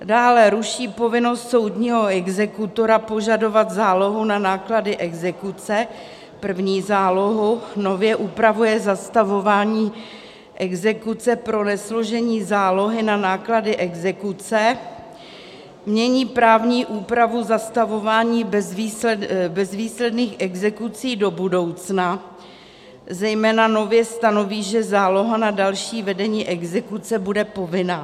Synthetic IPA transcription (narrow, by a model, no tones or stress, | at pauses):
daːlɛɾuʃiːpo̞vɪno̞st̪so̞wdɲiːɦo̞ɛɡzɛkut̪o̞ɾapo̞ʒado̞vat̪zaːlo̞ɦunanaːkladɪʔɛɡzɛkut͡sɛ | pr̩vɲiːzaːlo̞ɦuno̞vjɛʔupɾavujɛzast̪avo̞vaːɲiː | ʔɛɡzɛkut͡sɛpɾo̞nɛslo̞ʒɛɲiːzaːlo̞ɦɪnanaːkladɪʔɛɡzɛkut͡sɛ | mɲɛɲiːpɾaːvɲiːʔuːpɾavuzast̪avo̞vaːɲiːbɛzviːbɛzviːslɛdniːxʔɛɡzɛkut͡siːdo̞budo̞wt͡sna | zɛjmɛːnano̞vjɛst̪ano̞viːʒɛzaːlo̞ɦanadalʃiːvɛdɛɲiːʔɛɡzɛkut͡sɛbudɛpo̞vɪnaː